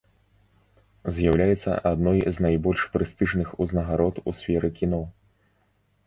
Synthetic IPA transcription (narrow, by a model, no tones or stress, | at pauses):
zʲjawlʲajɛt̪sːɐ̰ʔad̪nɔjznajbɔlʲʂpɾɨst̪ɨʐnɨxuznɐɣaɾɔt̪usʲfʲɛɾɨkʲinɔ